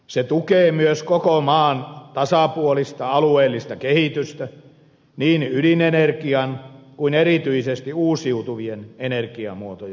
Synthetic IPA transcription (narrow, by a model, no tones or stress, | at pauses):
set̪ukeːmyøskokomɑːnt̪ɑsɑpuolist̪ɑɑlueːlːist̪ɑkehit̪yst̪æ | niːnyɾinenerkiɑnkuinerit̪yisest̪iuːsiut̪uʋienenerkiɑ̰muot̪ojɑ